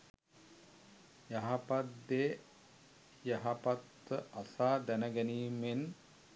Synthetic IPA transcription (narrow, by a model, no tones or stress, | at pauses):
jaɦapat̪de | jaɦapat̪ːəʔasaːd̪ænəɡæniːmen